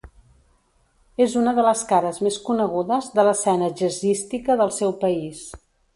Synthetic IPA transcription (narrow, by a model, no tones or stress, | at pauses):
ezunəðələskaɾəzmeskunəɣuðəzðələsɛnəʒəzist̪ikəðəlˠsɛwpəis